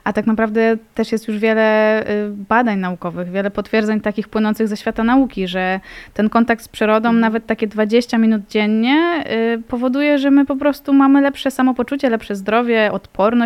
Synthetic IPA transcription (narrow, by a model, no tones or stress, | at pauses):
ʔat̪aknapɾavd̪ɛt̪ɛʂjɛst̪juʐvʲjɛlɛ | bad̪aɲnaukɔvɘɣvʲjɛlɛpɔt̪fʲjɛɾd̪zɛɲt̪akʲixpwɘnɔnt̪sɘɣzɛɕfʲjat̪anaukʲiʐɛt̪ɛnkɔnt̪akt̪spʂɘɾɔd̪ɔ̃w̃navɛt̪ːakʲɛd̪vad͡ʑeɕt͡ɕamʲinud̪̚d͡ʑɛɲːɛpɔvɔd̪ujɛʐɛmɘpɔpɾɔst̪umamɘlɛpʂɛsamɔpɔt͡ʂut͡ɕɛlɛpʂɛzd̪ɾɔvʲjɛʔɔt̪pɔɾnɔ